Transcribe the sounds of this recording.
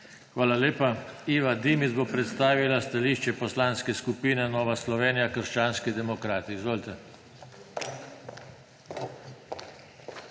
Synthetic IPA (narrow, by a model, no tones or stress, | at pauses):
xʋaːlaleːpaiːʋad̪imizbopɾɛt̪st̪aːʋilast̪aliːʃt͡ʃɛpɔslaːnskɛskupiːnɛnɔːʋaslɔʋeːnijakəɾʃt͡ʃaːnskid̪ɛmɔkɾaːt̪iːzʋoːlt̪ɛ